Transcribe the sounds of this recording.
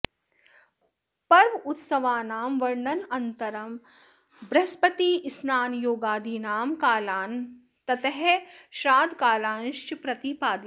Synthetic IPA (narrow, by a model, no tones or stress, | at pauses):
pɐɾʋʊt̪sɐʋaːnaːmʋɐɾɳɐnɐnt̪ɐɾɐm | bɾɐspɐt̪iːɪsnaːnjoːɡaːd̪iːnaːmkaːlaːn | t̪ɐt̪ɐɦɛʃɾaːd̪kaːlaːnʃt͡ʃpɾɐt̪ipaːd̪i